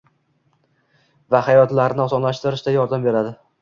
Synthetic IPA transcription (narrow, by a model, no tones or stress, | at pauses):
vahajɒt̪laɾnɪɒsɒnlaʃt̪ɪɾɪʃt̪ajɒɾd̪ambe̞ɾad̪ɪ